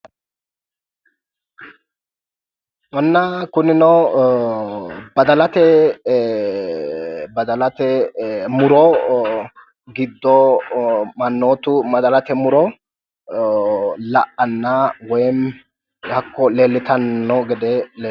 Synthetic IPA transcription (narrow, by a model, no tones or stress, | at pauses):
wɔnːɐkʊnɪnɔ | bɐd̪ɐlɐt̪ɛ | bɐd̪ɐlɐt̪ɛmʊɾɔ | ɡɪd̪ːɔ | mɐnːoːt̪ʊmɐd̪ɐlɐt̪ɛmʊɾɔ | lɐʔːɐnːawɔjm | hɐkːɔleːlːɪt̪ɐnːɔɡɛd̪ɛleː